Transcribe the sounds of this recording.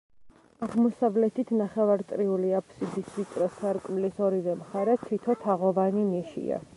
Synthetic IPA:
aʁmɔsavlɛt̪ʰit̪ʰnaχɛvaɾt̪ʼɾiuliapʰsid̪isvit̪ʼɾɛsaɾkʼmlisɔɾivɛmχaɾɛt̪ʰit̪ʰɔt̪ʰaʁɔvanimiʃḭa̰

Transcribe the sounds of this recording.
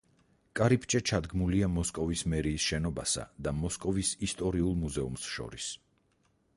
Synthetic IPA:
kʼaɾipʰt͡ʃʼɛt͡ʃʰad̪ɡmuliamɔskʼɔvismɛɾiːsʃɛnɔbasa̰d̪amɔskʼɔvisist̪ʼɔɾiulˠmuzɛumsʃɔ̰ɾis

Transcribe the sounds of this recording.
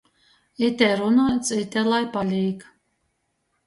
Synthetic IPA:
it̪ʲɛɾunajt̪sit̪ɛlˠajpalʲiːk

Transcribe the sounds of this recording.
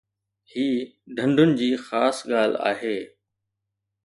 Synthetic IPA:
hiːɖʱɐ̃ɳɖʱʊnɪ̆d͡ʑiːxaːsɠaːl̤a̰ːɦeː

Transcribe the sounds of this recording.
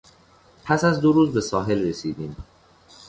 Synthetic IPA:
pʰæsæzd̪oɾuːzbe̞sɒːɦe̞lresiːd̪iːm

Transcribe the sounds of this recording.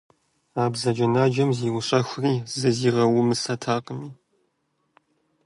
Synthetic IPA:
aːbzɐd͡ʒɐnaːd͡ʒɐmziːwʊɕʼɐxʷriːzɨziːʁɐwʊmɨsɐtʰaːqʼəmiː

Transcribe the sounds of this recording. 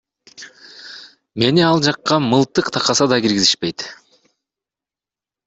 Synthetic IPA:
me̞niɑlˠd͡ʒɑqːɑmɯlˠt̪ɯqt̪ʰɑqɑsɑd̪ɑɡiɾɡiziʃpe̞jt̪

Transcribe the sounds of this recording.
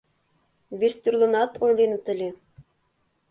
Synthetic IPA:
βʲest̪ʲyrlɤ̆nɑt̪ojlʲinɤ̆t̪ɘ̆lʲe

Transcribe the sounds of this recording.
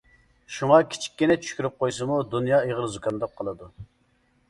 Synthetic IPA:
ʃuŋɑkʲʰi̥t͡ʃʰi̥k̚ʲːinɛt͡ʃʰy̥ʃkʲyɾyp̚qojsɨmud̪unjɑːeʁəlˠzukʰɑnd̪ɑp̚qʰəlˠɨd̪u

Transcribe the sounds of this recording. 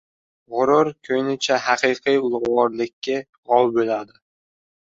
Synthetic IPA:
ʁʊɾʊɾkʰɵjnɪt͡ʃʰaɦɑqɨjqʰijʊlˠʁʊʁɒɾlɪkʲʰːɪ | ʁɒwbolad̪ɪ

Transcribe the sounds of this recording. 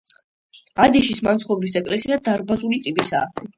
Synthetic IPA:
ad̪ɛʃismansχɔbɾisɛkʼlɛsiad̪aɾbazulit̪ʼipʼisa̰ː

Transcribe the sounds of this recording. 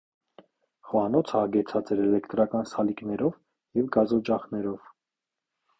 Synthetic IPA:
χɔɑnɔt͡sʰɑɡɛt͡sʰɑt͡sɛɾɛlɛkt̪ɾɑkɑnsɑliknɛɾɔv | jɛvɡɑzɔt͡ʃɑχnɛɾɔv

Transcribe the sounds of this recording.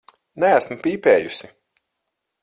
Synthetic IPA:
nææsmpiːpɛːjusi

